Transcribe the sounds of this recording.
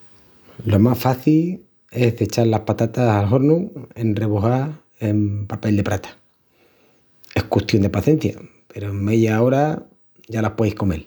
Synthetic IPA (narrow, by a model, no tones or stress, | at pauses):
lo̞masfaθil | e̞sðe̞t͡ʃaɾlaspat̪at̪asalɦo̞ɾnue̞nre̞βoɦa | empape̞ld̪e̞pɾat̪ḁ | e̞hkwust̪jo̞nd̪e̞paθe̞n̟θja̰ | pe̞ɾome̞ðjao̞ɾa | ʝalahpwejhko̞me̞l